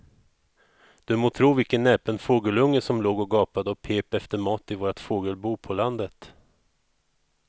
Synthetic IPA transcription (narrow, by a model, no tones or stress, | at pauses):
d̪̥ɵmoːt̪ʰɾuːvɪlkənːɛːpənfoːɡəlɵŋːəsɔmloːɡɔɡɑːpad̪əɔpʰeːpɛft̪əɾmɑːt̪ɪvoːɾat̪foːɡəlbuːpʰɔland̪ət̪